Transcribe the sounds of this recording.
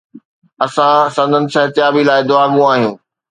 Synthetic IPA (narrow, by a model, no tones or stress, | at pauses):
ɐsãsɐ̃nd̪ʱənɪ̆sɐɦt̪jaːbilaːɪd̪ʊaːɡũaːɦijũː